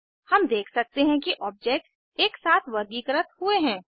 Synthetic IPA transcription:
hɐmd̪eːkʰsɐk̚t̪eɦɛ̃kiʔɔːb̚d͡ʒeːk̚ʈs | eːksaːt̪ʰʋɐɾɡiːkɾət̪hueɦɛ̃ː

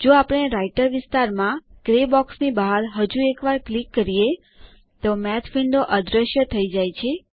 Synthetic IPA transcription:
d͡ʒoapəɽ̃eɾaiʈəɾʋɪst̪aɾmãɡ̥ɾebɔksnibaɦaɾɦəd͡ʒuekʋaɾklikːəɾije | t̪omɛt̪ʰfiɳɖ̪oʔəd̪ɾəʃjət̪ʰəid͡ʒajt͡ʃʰe

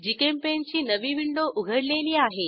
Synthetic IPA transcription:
d͡ʑikempent͡ɕiːnəʋiːʋiɳɖoʔuɡʱəɽleliːaɦe

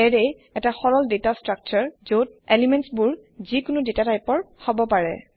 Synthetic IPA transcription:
ɛɹej | ɛtaxɔɹɔldetastɹak̚t͡ʃɔɹzot̚elimɛnsbuɹzikʊnʊdetatajpɔɹhɔbɔpaɹɛ̰

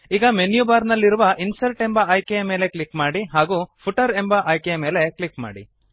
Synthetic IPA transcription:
iːɡɐmenjubaːɾnɐlːiɾuʋɐʔinsɐlʈe̞mbɐːjkejɐme̞ːle̞kɭikmaːɽiɦaːɡuːpʰuʈɐɾe̞mbɐʔɐjkejɐme̞ːle̞klikma̰ːɽḭ

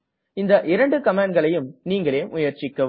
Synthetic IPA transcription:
ɪnd̪ɐʔɪɾɐɳɖɯkɐmaːɖɡɐɭɐjɯmniːŋɡɐɭeːʔʊjɐɾt͡ʃɪkːɐ

